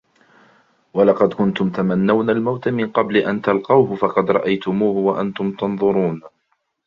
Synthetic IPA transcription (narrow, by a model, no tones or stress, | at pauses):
wɑlɑqɑd̪kʊnt̪ʊmt̪amanːawnalmawt̪amɪnqɑblɪʔant̪alqɑwhʊfɑqɑd̪ɾˤɑʔajt̪ʊmuːhʊwaʔant̪ʊmt̪ɑnðˤʊɾuːn